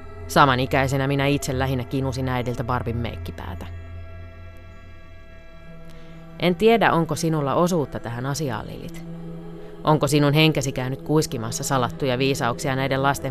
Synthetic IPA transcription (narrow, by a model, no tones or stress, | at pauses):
sɑmɑnikæis̬e̞næminæit̪selːæɦinːækinusinæjdilt̪æʋɑrpimːḛːkːipæ̰ːt̪æ̥ | ʔe̞nt̪iedæʔo̞ŋkosinulːɑ̰ʔo̞suːt̪ːɑt̪æɦænɑsiɑ̰ːlːḭlːḭt̪ | ʔo̞ŋkosinunɦe̞ŋkæsikæynyt̪kuiskimɑsːɑsɑlɑt̪ːujɑʋiːsɑuksiɑnæjdelɑst̪e